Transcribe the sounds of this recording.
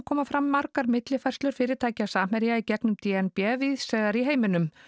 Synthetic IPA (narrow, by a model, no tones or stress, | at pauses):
kʰɔːmafɾamːaɾkaɾmɪt̪lɪfajr̥st̪ʏɾ̥fɪːɾɪɾt̪ʰaːjcasaːm̥ɛɾjaicɛknʏmt̪iːɛnpɛːviðsɛɣðaɾiɦeːjmɪnʏm